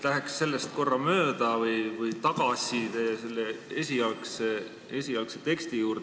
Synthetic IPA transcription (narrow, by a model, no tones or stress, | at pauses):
læɦeksːe̞lːe̞st̪̚ko̞rːɑmø̞ːd̪ɑvɯjvɯjt̪ɑɡ̥ɑsit̪ese̞lːeesʲiɑlkse | e̞sʲiɑlkset̪e̞kst̪ijuːɾ